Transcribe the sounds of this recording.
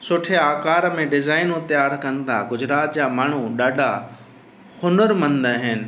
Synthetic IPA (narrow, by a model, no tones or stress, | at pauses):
sʊʈʰeaːkaːɾmẽɖɪzaːɪnũt̪jaːɾkɐnɪ̆t̪ʰa̰ɡʊd͡ʑɾaːt̪̚d͡ʑaːmaːɳ̤uɗaːɖʱa | hʊnəɾmɐ̃nd̪aɦɪnɪ̆